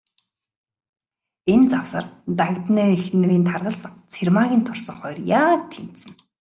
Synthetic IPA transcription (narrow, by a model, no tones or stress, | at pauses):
ent͡saw̥sə̰rt̪aɣt̪næːexnĕɾiːnt̪ʰarʁə̆ɮsə̆ŋt͡sʰermaɣʲiːnt̪ʰʊrsə̆ŋχɔjrjaːk̚t̪ʰːen̥sɘ̆n